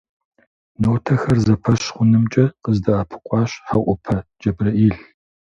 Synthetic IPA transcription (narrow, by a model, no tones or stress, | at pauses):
noːtʰɐxɐrzɐpʰɐɕχʷʊnɨmt͡ʃʼɐqəzdɐaːpʰɨ̥qʷʼɑːɕħaʔʷʊpʰɐd͡ʒɐbrɐʔiːɬ